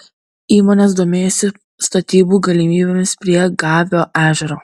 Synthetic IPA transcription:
iːmoːnʲes̬d̪oːmʲeːjoːsʲɪ | st̪ɐt̪ʲiːbuːɡɐlʲimʲiːbʲemʲɪspʲɾʲiɛɡɑːʋʲoːʔæːʒʲɛɾoː

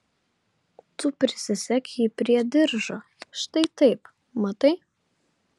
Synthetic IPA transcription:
t̪ʊpʲɾʲɪsʲɪsʲɛkʲipʲɾʲiɛd̪ʲɪɾʒo | ʃt̪ɐɪt̪ɐɪp | mɐt̪ɐɪ

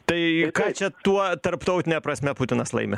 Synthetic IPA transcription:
t̪ɐɪkɑːt͡ʃʲɛt̪uɔt̪ɐɾpt̪ɐʊt̪ʲɪnʲɛpɾɐsʲmʲɛpʊt̪ʲɪnɐslˠɐ̰ɪmʲɪ

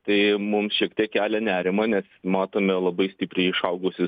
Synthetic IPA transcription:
t̪ɐɪmʊmsʃʲiɛkt̪ʲiɛkkʲæːlʲɛnʲæːɾʲɪmɐnʲɛsmɑːt̪oːmʲɛlˠɐbɐɪsʲt̪ʲɪːpʲɾʲɛɪɪʃɐʊɡʊsʲɪ

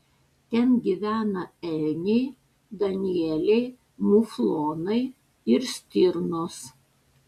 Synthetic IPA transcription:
t̪ʲɛnɡʲiʋʲæːnɐɛlʲnʲɛɪ | d̪ɐnʲɪɛlʲɛɪ | mʊflˠoːnɐɪ | ɪɾsʲt̪ʲɪɾnoːs

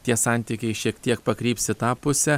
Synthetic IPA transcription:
t̪ʲiɛsɑˑnʲt̪ʲikʲɛɪʃʲiɛkt̪ʲiɛkpɐkɾʲiːpʲsʲɪt̪ɑːpʊsʲɛ

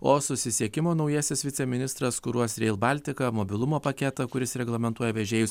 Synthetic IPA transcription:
oːsʊsʲɪsʲiɛkʲɪmoːnɒʊjiːsʲɪsʋʲɪt̪sʲɛmʲɪnʲɪst̪ɾɐskʊɾuɔsɾʲɛɪlˠbɐlʲt̪ʲɪkɐmoːbʲɪlˠʊmoːpɐkʲɛt̪ɐkʊɾʲɪsɾʲɛɡlˠɐmʲɛnt̪uɔjɛʋʲɛʒʲeːjʊsʲ

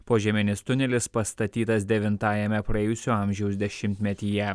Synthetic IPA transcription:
poːʒʲɛmʲɪnʲɪst̪ʊnʲɛlʲɪspɐst̪ɐt̪ʲiːt̪ɐs̬d̪ʲɛʋʲɪnt̪ɑːjɛmʲɛpɾɐeːjʊsʲuɑˑmʲʒʲɛʊsd̪ʲɛʃʲɪmʲt̪ʲmʲɛt̪ʲiːjɛ

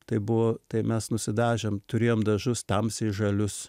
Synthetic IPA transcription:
t̪ɐɪbʊʋoːt̪ɐɪmʲɛsnʊsʲɪd̪ɑːʒʲɛmt̪ʊɾʲeːjoːmd̪ɐʒʊst̪ɐmsɪʒɐlʲʊs

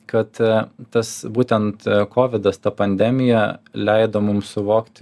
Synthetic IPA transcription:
kɐt̪t̪ɐsbuːt̪ʲɛnt̪kʰoːʋʲɪd̪ɐst̪ɐpɐnʲd̪ʲɛmʲɪjɛlʲɛɪd̪oːmʊmsʊʋoːkt̪ʲ

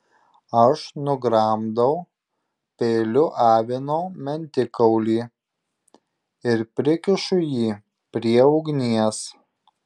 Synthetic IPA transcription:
ɐʃnʊɡɾɐˑmd̪ɐʊ | pʲɛɪlʲʊʔɑːʋʲɪnoːmʲɛnʲt̪ʲɪkɐʊlʲiː | ɪɾpʲɾʲɪkʲɪʃʊjiː | pʲɾʲiɛʊɡnʲiɛs

